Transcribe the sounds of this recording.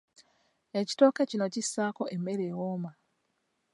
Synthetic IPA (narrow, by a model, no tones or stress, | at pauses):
eci̥to̞ːkecino̞cisːaːko̞ʔemːe̞ɾewoːma